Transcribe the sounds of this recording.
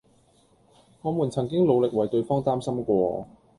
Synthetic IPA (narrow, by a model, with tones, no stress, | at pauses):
ŋɔː˨˧muː˨˩nt͡sʰɐ˨˩ŋk̬ɪ˥ŋlo˨˧wlɪ˨k̚wɐ˨˩jt̪ɵ˧ɥfɔː˥ŋt̪aː˥msɐ˥mkʷɔː˧